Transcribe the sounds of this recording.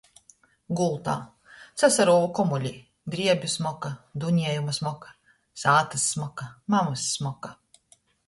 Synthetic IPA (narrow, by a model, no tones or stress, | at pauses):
ɡulˠt̪a̰ː | t̪sasaɾuːvukɔmulʲiː | d̪ɾiɛbʲjusmɔkad̪uɲiɛjumɐsmɔkḁ | saːt̪ɐsːmɔkamamasːmɔka